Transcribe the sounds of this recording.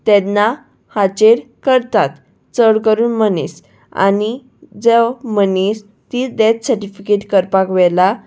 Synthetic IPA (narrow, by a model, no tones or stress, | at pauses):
t̪ɛd̪na | hat͡ɕeɾ | kəɾt̪at̪ | t͡səɽkəɾuːnmənis | a̰ni | d͡zemənis | t̪id̪et̪səɾʈifikeʈkəɾpakʋɛla